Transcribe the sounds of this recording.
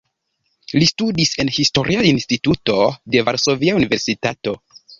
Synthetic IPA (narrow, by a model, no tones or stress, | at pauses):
listudise̞nhisto̞ɾʔiainstituto̞de̞vaɾso̞viaunive̞ɾsitato̞